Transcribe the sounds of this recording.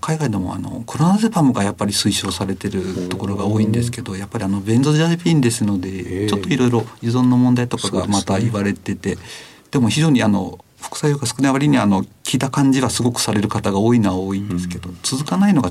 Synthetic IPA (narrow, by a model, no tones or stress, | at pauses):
kʰaiɡaid̪e̞mo̞̰a̰no̞̰kʰo̞ɾonazebamɯ̟ɡajapːaɾʲisɨiɕo̞ːsaɾe̞t̪e̞ɾɯ̟t̪o̞ko̞ɾo̞ɡao̞ːĩnd̪e̞sɨ̥ke̞d̪o̞japːaɾʲiano̞bẽ̞nzoʑaipʲĩːnd̪e̞sɨno̞d̪e̞t͡ɕo̞t̪ːo̞iɾo̞iɾo̞jɯzõ̞nːo̞mõ̞nd̪ait̪o̞kaɡa̰mat̪aiβaɾe̞t̪e̞t̪e̞ | d̪̥e̞mo̞çiʑo̞ːɲ̟iano̞̰ | ɸo̥kɯ̟̥sait̪oɡasɨ̥kɯ̟naβaɾʲiɲ̟iaːno̞kʲiːt̪akãɲ̟d͡ʑiβasɨɡo̞kɯ̥saɾe̞ɾɯ̟kat̪aɡao̞ːinaβaoːĩnd̪e̞sɨ̥ke̞d̪o̞t͡sɨzɨkanaino̞ɡa